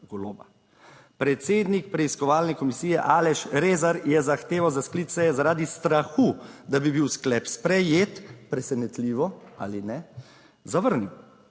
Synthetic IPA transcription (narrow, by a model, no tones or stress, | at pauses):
ɡɔloːba̰ | pɾɛt̪seːd̪nik̚pɾɛiskɔʋaːlnɛkɔmisiːjɛʔaːlɛʃɾeːzaɾjɛzaxt̪eːʋawzasklit̪sɛɛzaɾaːd̪ist̪ɾaxud̪abibiwsklɛpspɾɛjeːt̪pɾɛsɛnɛt̪liːʋɔa̰ːlinɛ | zaʋəɾniw